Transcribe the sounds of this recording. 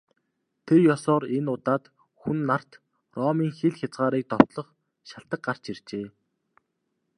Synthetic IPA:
t̪ʰerjɔsɔːɾenʊt̪aːt̪ | xunːar̥t̪ | rɔːmiːŋxeɮxʲat͡sʁaːɾiːk̚t̪ɔw̥t̪ɮɞ̆χ | ʃaɬt̪ə̆k̚ɢar̥t͡ɕer̥t͡ɕeː

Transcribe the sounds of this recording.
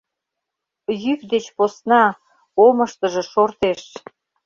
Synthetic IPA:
jykd̪et͡ɕposnɑ | oməʃt̪əʒĕʃort̪eʃ

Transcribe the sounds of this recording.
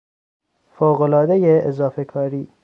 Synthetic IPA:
foːɣolɒːd̪ejeːzɒːfekʰɒːɾiː

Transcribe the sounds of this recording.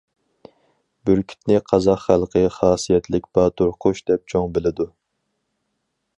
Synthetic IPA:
byɾkʲʰi̥t̪nɪqʰɑzɑqχælˠqʰəχɑːsijɛt̪lɪk̚ʲbɑt̪ʰʊɾqʰʊʃd̪ɛp̚t͡ʃʰoŋbɪlɪd̪u

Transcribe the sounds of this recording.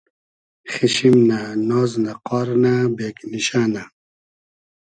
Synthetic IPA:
χiɕimnanɔːznaqɔːɾnabeːkniɕaːna

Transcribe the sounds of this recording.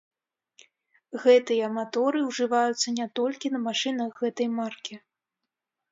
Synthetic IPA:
ɣɛt̪ɨjɐːmat̪ɔɾɨwʐɨvajut̪sːɐnʲɛt̪ɔlʲkʲinɐmaʂɨnɐɣːɛt̪ɐjmarkʲi

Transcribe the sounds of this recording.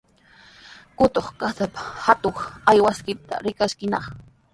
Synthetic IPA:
kʊt̪oχkasapḁhat̪oŋajwaskɪt̪a̰ɾɪkaskɪnɑχ

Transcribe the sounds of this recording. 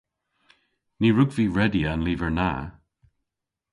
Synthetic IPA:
niːɹʊɡviːɹɛdianliːvəɹna̰ː

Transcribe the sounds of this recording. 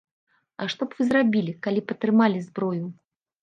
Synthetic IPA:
ɐ̰ʂt̪ɔpv̥ɨzrabʲilʲikalʲipɐt̪ɾɨmalʲizbɾɔju

